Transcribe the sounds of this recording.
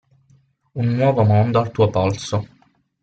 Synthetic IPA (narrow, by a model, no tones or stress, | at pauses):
unːwɔːvomond̪oalt̪uopɔlso